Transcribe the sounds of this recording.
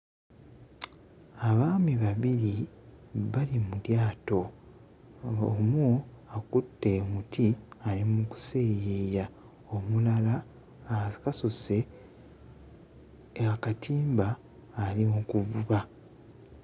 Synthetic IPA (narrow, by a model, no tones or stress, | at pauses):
aβaːmiβaβiɾi | βalimuɾjaːto̞ | omuakutːe̞mutʰialimuku̥se̞ːjeːja | omulala | kasuse̞ | akatʰiːmbaː | limukuvuβa